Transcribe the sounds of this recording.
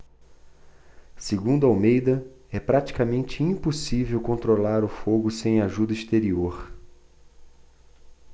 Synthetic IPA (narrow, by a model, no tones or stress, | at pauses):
seɡũd̪ʊawmejd̪ɐ | ɛpɾat͡ʃi̥kamẽnt͡ʃɪĩpusivewkõnt̪ɾolaɾʊfoɡʊsẽj̃aʒud̪ɐist̪eɾioɾ